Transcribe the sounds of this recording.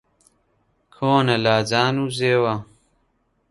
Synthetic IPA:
kʰoːnɐlaːzaːnuzeːwa

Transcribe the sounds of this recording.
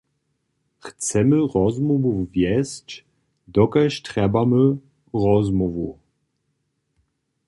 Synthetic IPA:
xt͡sɛməʁɔzmɔvuvjɛst͡ɕ | d̪ɔkaʃtʁɛbamə | ʁɔzmɔvu

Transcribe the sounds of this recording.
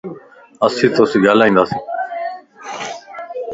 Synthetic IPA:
əsiːt̪oːsiːɡʱaːlaːɦĩːnd̪aːsĩː

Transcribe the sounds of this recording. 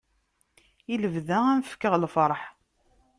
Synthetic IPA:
iləvðæænfə̥kːəʁlfəɾˤħ

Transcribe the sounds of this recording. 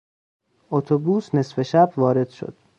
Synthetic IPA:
ʔot̪ʰobuːsne̞sfe̞ʃæbvɒːɾe̞d̪̥ʃo̰d̪̥

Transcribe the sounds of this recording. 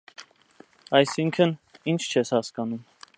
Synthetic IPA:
ɑjsiŋkʰənint͡ʃʰt͡ʃʰɛshɑskɑnum

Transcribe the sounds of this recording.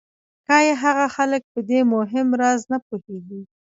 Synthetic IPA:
kɑjeɦaɣaxalək̚pəd̪emʊɦɪmɾɑznapoheɡi

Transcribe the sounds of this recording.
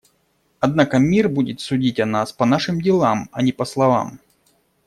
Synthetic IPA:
ɐd̪nakəmʲirbudʲɪt̪sʊdʲitʲɐnaspɐnaʂɨmdʲɪlˠamɐnʲɪpɐslˠɐva̰m

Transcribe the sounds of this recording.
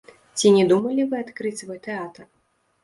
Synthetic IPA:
t͡sʲinʲɛd̪umɐlʲivɨat̪kɾɨt͡sʲsvɔjt̪ɛat̪ɐr

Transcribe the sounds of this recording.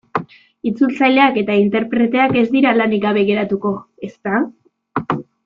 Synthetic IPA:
it͡sult͡sajle̞ake̞t̪aint̪e̞ɾpɾe̞t̪e̞ake̞zd̪iɾalaniɡaβ̞e̞ɣ̞e̞ɾat̪uko̞ | e̞st̪a

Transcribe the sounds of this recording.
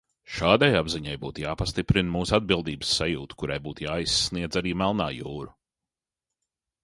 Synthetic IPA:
ʃaːd̪ajabziɲajbuːt̪jaːpast̪ipɾinmuːsad̪̚bilˠd̪iːbəsːajuːt̪u̥kuɾajbuːt̪jaːisːniɛd̪zaɾiːmɛlˠnaːjuːɾu

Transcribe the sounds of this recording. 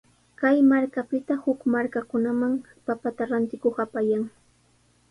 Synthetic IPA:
kajmaɾkapɪt̪ahʊkmaɾkakʊnamaŋ | papat̪aɾant̪ɪkoχapajaŋ

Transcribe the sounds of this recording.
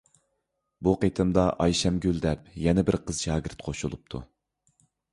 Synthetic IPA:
buqet̪ʰɨmd̪ɑʔɑjʃɛmɡʲøld̪ɛp̚jɛnɪbɪɾqʰəz̥ʃɑːɡʲɪɾt̪qʰoʃulˠup̚t̪ʰṵ

